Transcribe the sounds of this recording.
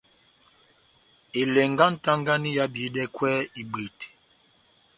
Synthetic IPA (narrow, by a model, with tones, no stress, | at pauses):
e˨le˨ŋɡa˦n̩˦ta˦ŋɡa˦ni˦ja˦bi˨˦dɛ˦kwɛ˦i˨ɡ͡be˨t